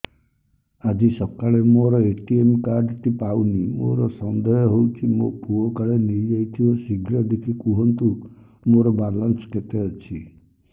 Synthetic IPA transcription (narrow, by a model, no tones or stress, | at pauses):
ad͡ʒisɔkaɭemoɾɔeʈiemkaɾɖt̪ipawnimo̰ɾɔsɔnd̪ɔjɔɦowt͡ʃʰimopuɔkaɭeniɾd͡ʒajt̪ʰiɔsiɡɾɔd̪ekʰikuɦɔnt̪u | moɾɔbaɾlansket̪eɔt͡ʃʰi